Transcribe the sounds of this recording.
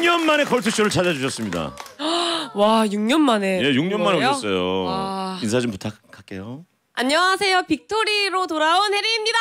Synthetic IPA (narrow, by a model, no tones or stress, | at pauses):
ɲʌnmane̞kʌɭtʰuɕ͈ʰoɾɯɭt͡ɕad͡ʑad͡ʑuɕʰʌs͈ɯmɲida̰ | wajuŋɲʌnmane̞jejuŋɲʌnmanes͈ʌjoains̬ʰad͡ʑɯmputʰakʰːak͈e̞̰jo | aɲːʌwasʰe̞jopik̚tʰoɾiɾotoɾaonheɾiimɲida